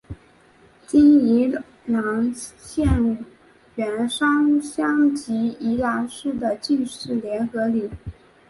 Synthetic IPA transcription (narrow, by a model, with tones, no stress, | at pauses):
t̪i˥ni˧˥ | nɑ˧˥ŋɕjɛ˥˩nu˨˩ | ɥɛ˨˧˥nʂɑ˥ŋɕjɑ˥ŋt͡ɕi˧˥i˧˥la˧˥ʂɻ̩˥˩d̪ə˨˩t͡ɕi˥˧nʂɻ̩˥˩ljɛ˧˥nxɤ˧˥li˨˩˦